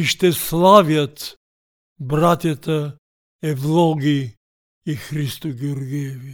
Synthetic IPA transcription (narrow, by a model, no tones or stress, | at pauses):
iʃt̪ɛslˠavjɐt̪ | bɾat̪jɐt̪ə | ɛvlˠɔɡi | ixɾist̪uɡʲeuɾɡijvi